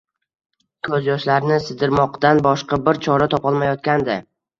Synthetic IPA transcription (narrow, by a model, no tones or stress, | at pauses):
kʰɵzjɒʃlaɾnɪsɪd̪ɪɾmɒqt̪anbɒʃqɑbɪɾt͡ʃʰɒɾat̪ʰɒpʰɒlˠmajɒt̪̚kʲand̪ɪ